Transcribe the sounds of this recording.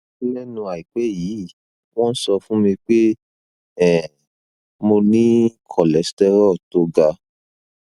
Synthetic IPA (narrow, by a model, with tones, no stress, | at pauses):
i˦lɛ˦nũ˧a˨i˨k͡pɛ˨˦˨jiː˨˦˨ | w̃ɔ̃˦n̩˦sɔ˧fũ˦mĩ˧k͡pe˦ | ɛ˦˨ | mo˧nĩ˦kʰɔ˨lɛ˨˦stɛ˦ɾɔ˦˨to˨˦ɡa˧